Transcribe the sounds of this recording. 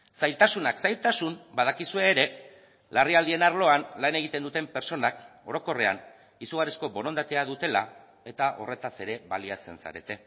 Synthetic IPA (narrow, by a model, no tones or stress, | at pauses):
sajlt̪asunaksajlt̪asumbað̞akisue̞ːɾe̞ | lariald̪ie̞naɾlo̞anlane̞ɣ̞it̪e̞nd̪ut̪e̞mpe̞ɾt͡so̞nako̞̰ɾo̞ko̞re̞a̰n | isuɣ̞arisko̞βo̞no̞nd̪at̪e̞aðut̪e̞la̰ | e̞t̪aʔo̞̰re̞t̪ase̞ɾe̞βa̰liat͡se̞̰nsa̰ɾe̞̰t̪e̞